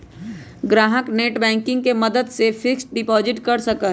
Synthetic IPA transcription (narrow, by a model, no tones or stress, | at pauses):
ɡɾaːɦəkneːʈbɛ̃ːŋkɪ̃ŋɡ̚kemɐd̪əd̪sefʰɪksʈ̚ɖɪpɔːzɪʈkɐɾsɐkə